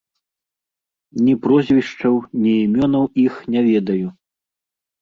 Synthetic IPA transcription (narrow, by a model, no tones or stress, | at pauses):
nʲipɾɔzʲvʲiʂt͡ʂɐwnʲiːmʲɔnɐwixnʲɛvʲɛd̪ɐju